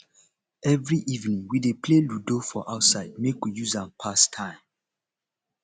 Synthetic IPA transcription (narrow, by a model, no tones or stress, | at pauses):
ɛvɹiʔivnĩŋwidepʰleludofɔʔaʊtsaɪd̚mekwijuzãnpʰastʰãɪ̃m